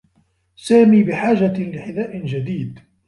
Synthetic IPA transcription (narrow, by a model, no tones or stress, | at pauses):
saːmiːbɪħaːʒalɪħɪd̪aːʔɪnd͡ʒad̪iːd̪